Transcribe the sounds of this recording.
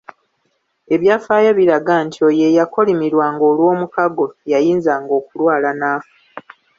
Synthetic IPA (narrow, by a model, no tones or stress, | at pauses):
e̞βjaːfaːjaβiɾaɡantʰio̞je̞jako̞limiɾwaːŋɡo̞ːlwo̞ːmukaɡo̞jajiːnzaːŋɡo̞ːkulwaːlanaːfḁ